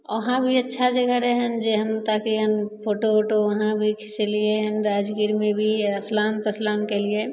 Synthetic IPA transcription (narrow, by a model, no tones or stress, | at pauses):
ə̰ɦãbʱiətːʃʰad͡ʒəɡəɾɛɦənd͡ʒeɦəmt̪aːkiɦənpʰoːʈooʈoʋɐɦãbʱikʰɪt͡ʃelieɦənɾaːd͡ʒkiɾmẽbʱiəslaːnt̪əslaːnkelie